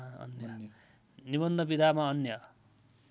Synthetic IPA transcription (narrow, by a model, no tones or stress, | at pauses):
ɦʌ̰njʌ | nibʌnd̪ʱʌbid̪ʱamaʌnjʌ